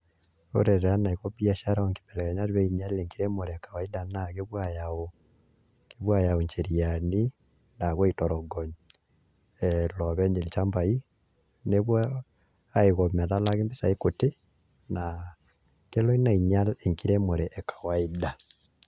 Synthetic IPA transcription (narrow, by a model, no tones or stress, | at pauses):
o̰ɾeɾɛanaiɣoβiaʃaɾaaŋke̥pɛlɛɣɛɲaɾiβɛiɲaleŋkiɾemoɾɛkawaidanaɣeβwajao | keβwajaoɲt͡ʃeɾijani | naɣwɔitɔɾɔɡɔɲ | ɛlɔβɛɲd͡ʒelit͡ʃambai | neβwɔ | aeɣomɛlalaɣembesaikote | na | kelɔinaiɲaleŋkiɾemoɾeʔːkḁwaida